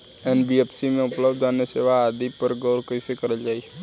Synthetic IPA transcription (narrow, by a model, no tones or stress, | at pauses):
ɛːnbiepʰsimẽʊpləbd̪aːneseːʋaːd̪ipəɾɡɔʊɾkəɪsekəɾəld͡ʒaːi